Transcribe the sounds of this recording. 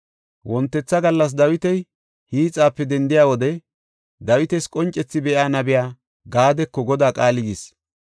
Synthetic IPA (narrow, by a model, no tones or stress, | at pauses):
wɔnt̪ːɛt͡sːɐɡɐlːɐs̬d̪ɐwɪt̪ɛj | hiːt͡sʼːaːpːɛd̪ɛnd̪ɪjaːwɔd̪ɛ | d̪ɐwɪt̪ɛskʼɔnt͡ʃʼːɛt͡sːɪbɛʔaːnɐbɪjaː | ɡaːd̪ɛkːɔɡɔd̪aːkʼaːlɪɡis